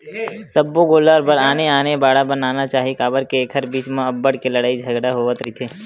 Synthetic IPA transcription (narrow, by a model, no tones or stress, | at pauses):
səbːoɡoːlaɾbəɽaːneaːnebaːɽabənaːnat͡ʃaːɦiekaːbəɾkeeːkʰəɾbiːt͡ʃmẽɐbːəɽkeləɽaːid͡ʒʱəɡɽaɦoːʋət̪ɾit̪ʰeː